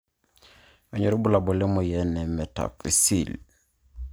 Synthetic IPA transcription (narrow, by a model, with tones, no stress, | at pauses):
ɔ˨ɲo˨ɾu˦bu˦la˨bɔ˨le˦mo˨jɛnɛ˨mɛ˨ta̰˨fḭ˨sil